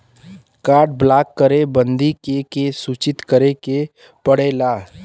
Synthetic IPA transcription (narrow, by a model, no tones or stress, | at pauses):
kaːɾʈ̚blaːkːəɾebə̃nd̪ikekesuːt͡ʃɪt̪kəɾeke | pəɽelaː